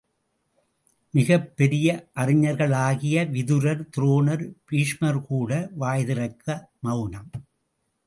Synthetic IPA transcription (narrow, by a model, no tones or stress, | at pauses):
mɪɣɐpːɛɾɪjɐʔɐrɪɲɐɾɣɐɭaːɣɪjɐʋɪðɯɾɐɾt̪ɪɾoːnɐɾpiːʂmɐɾkuːɽɐʋaːjðɪɾɐɪkːɐmɐʊnɐm